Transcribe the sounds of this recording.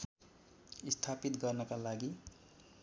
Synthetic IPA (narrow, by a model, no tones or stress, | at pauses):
ist̪ʰapit̪ɡʌrnʌkalaɡi